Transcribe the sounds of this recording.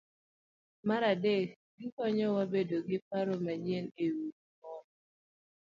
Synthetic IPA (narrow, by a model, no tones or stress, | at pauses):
maɾadekɡɪkɔɲɔwabedoɡɪpaɾɔmaɲjenewudmɔn